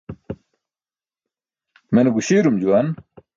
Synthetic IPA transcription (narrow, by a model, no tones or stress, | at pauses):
menebuɕiːɾumd͡ʑuwan